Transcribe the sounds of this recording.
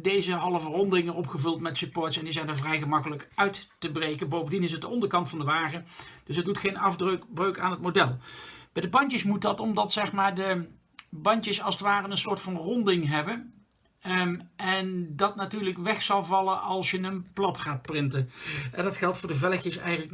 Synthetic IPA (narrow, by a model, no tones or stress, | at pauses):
dejzəɦɑləvərɔndɪŋənɔpχəvɵlˠtmɛtsəpɔːɹtsɛndizɛjndəɹvrɛjχəmɑkələkœɥttəbrejkənbowvəndinɪs̬ɦət̚dəɔndəɹkɑntfɑndəʋaːχəd̥ɵsɦət̚dutχejnɑfdbrøɥkaːnɦət̚modɛlˠb̥ɛjdəbɑɲtəsmut̚dɑtɔmdɑtsɛχmaːɹdə | bɑntəsɑlˠsətʋaːrənənsʊːɹtfɑnrɔndɪŋɦɛbən | ɛndɑtnatyːɹləkʋɛχsɑlˠvɑlˠəɑlˠsjənənplɑtχaːt̚prɪntənndɑtχɛlˠtfʊːɹdəvɛləkjəsɛ̰jχənlək